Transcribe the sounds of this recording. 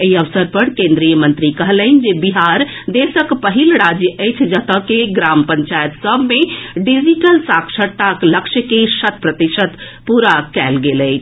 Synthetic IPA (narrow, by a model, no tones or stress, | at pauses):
eɦiəʋsəɾpəɾkẽnd̪ɾijəmənt̪ɾikəɦlən̆d͡ʒebiɦaɾ | d̪esəkpəɦilɾad͡ʒjəʔəjt͡ʃʰd͡ʒət̪əkeɡɾampəɲt͡ʃajət̪səbmeɖid͡ʒiʈəlsakʃəɾt̪akləkʃəkesət̪pɾət̪iʃət̪ | puɾakɛlɡeləɪt͡ʃʰ